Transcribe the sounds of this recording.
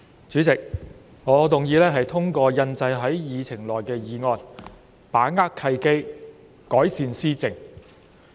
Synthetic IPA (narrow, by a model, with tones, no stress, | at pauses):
t͡ʃyː˨˥t͡sɪ˨k̚ | ŋɔː˨˧˥t̪ʊ˨ŋjiː˨˧lɛː˥ɦɐ˨jt̪ʰʊ˥ŋkɔː˧jɐ˧nt͡sɐ˧jɦɐ˨˥jjiː˨t͡sʰɪ˨˩ŋlɔː˨jkɛː˧jiː˨˧ŋɔː˧n | paː˨˥ŋaː˥kkʰɐ˧jke˥j | kɔː˨˥jsiː˨˧nsiː˥t͡sɪ˨ŋ